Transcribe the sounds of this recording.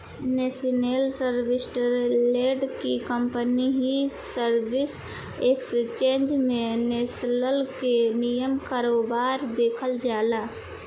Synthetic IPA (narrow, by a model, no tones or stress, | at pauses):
neːsinelsəɾʋɪsʈəɾleːɖkikəmpəniɦi | səɾʋɪs | ekst͡ʃẽːnd͡ʒmẽneːsləlkenijəmkaːɾoːbaːɾd̪eːkʰəld͡ʒaːlaː